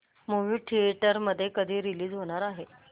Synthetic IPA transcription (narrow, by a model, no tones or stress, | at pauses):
moʋiːʈʰieʈəɾməd̪ʱːjekəd̪ʱiːɾiliːd͡zɦoɽ̃aɾaɦe